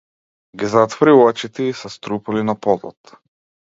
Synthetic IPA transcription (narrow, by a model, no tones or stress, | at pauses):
ɡizat̪vɔɾiuat͡ʃit̪ɛisast̪ɾupulinapɔd̪lˠɔ̰t̪